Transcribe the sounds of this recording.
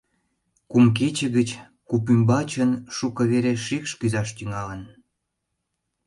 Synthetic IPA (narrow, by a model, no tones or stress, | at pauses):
kumk̬et͡ɕəɣət͡ɕ | kupymbɑt͡ɕənʃukə̆βeɾeʃikʃkyzɑʃt̪yŋɑlən